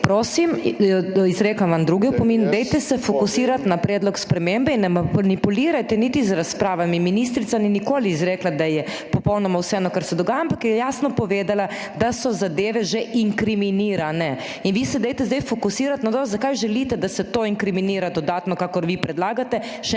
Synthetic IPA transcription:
pɾoːsim | izɾeːklaʋamd̪ɾuːɡiupɔmiːnud̪ɛjt̪ɛsɛfɔkusiːɾat̪napɾɛːd̪lɔkspɾɛmembɛinːɛmanipuliːɾajt̪ɛnit̪izɾaspɾaːʋamiminist̪ɾit̪saninikoːliːzɾɛːklad̪ajɛ | pɔpɔwnɔmawsɛɛnɔkaɾsɛd̪ɔɡaːjampakjɛɛjaːsnɔpɔʋeːd̪ala | d̪asɔzad̪eːʋɛʒeʔiŋkɾiminiːɾanɛ | inʋiːsɛd̪ɛjt̪ɛzd̪ɛjfɔkusiːɾat̪nat̪ozakajʒɛlit̪ɛd̪asɛt̪oːiŋkɾiminiːɾad̪ɔd̪aːt̪nɔkaːkɔɾʋipɾɛd̪laːɡat̪ɛ | ʃɛ

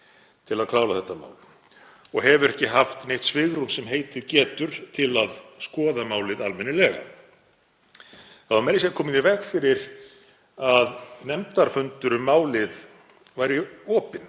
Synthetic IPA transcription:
t̪ʰɪlaðkʰlaːwlaθɛht̪ːama̰ːwl | ɔɣɦɛvʏɾɛhcɪɦaft̪nejht̪svɪɣɾumsɛmɦeːjt̪ɪðcɛːt̪ʏɾ̥t̪ʰɪlaðskɔːðamaːwlɪðalmɪnːɪlɛɣa̰ | aðamɛɾɪs̬ɛkʰɔːmɪðivɛxfɪɾɪɾ̥ | aðnɛmt̪aɾ̥fʏnt̪ʏɾʏmaːwlɪð | vaːjɾɪɔːpɪn

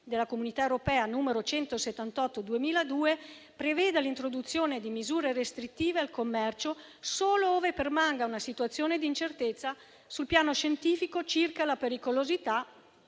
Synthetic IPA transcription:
d̪elːakomunit̪aewɾopɛːanuːmeɾot͡ʃɛnt̪oset̪ːant̪ɔt̪ːod̪uemiːlad̪uːe | pɾevɛːd̪elint̪ɾod̪ut̪sːjoːned̪imizuːɾeɾest̪ɾit̪ːiːvealkomːɛrt͡ʃo | soːlooːvepermaŋɡaunasit̪uat̪sːjoːned̪int͡ʃert̪et̪sːa | sulpjaːnoʃent̪iːfikot͡ʃirkalapeɾikolozit̪a

